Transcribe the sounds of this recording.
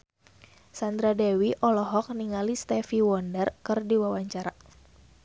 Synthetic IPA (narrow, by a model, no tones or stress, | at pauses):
sand̪ɾadɛwiʔɔlɔɦɔk̚niŋalist̪ɛfiwɔndərkɨrdiwawaɲt͡ʃaɾa